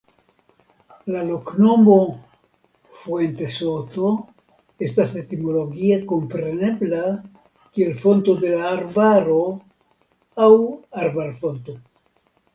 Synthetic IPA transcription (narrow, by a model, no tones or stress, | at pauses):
lalo̞kno̞mo̞ | fuente̞so̞to̞ | e̞stase̞timo̞lo̞ɡieko̞mpɾe̞ne̞bla | kie̞lfo̞nto̞de̞laːɾbaɾo̞ | awaɾbaɾfo̞nto̞